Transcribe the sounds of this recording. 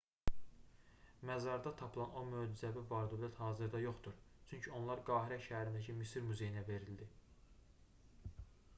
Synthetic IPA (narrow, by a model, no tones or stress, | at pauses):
mæzɑɾd̪ɑt̪ʰɑpʰɯlˠɑno̞møːd͡ʒyzæbivɑɾd̪ølæt̪hɑːzɯɾd̪ɑjo̞χt̪uɾt͡ʃʰyɲcʰio̞nlˠɑɾɡɑːɦiɾæʃæhæɾind̪æcʰimisiɾmyze̞jinæve̞ɾild̪i